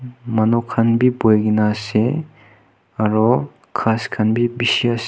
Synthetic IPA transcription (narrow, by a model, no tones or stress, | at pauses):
manokʰanbibojɡinase | aɾɔ | kʰaskʰanbibisias